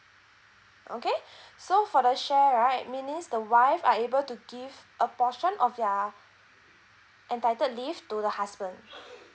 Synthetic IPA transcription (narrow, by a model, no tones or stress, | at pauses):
ʔo̰kesofɔɾəʃɛɹaɪt̚mĩnĩnsdəwaɪfaebəltuɡivʔəpɔʃə̃nʔɔfjɔ | ʔɛ̃ntaɪtədliftudəhasbə̃nd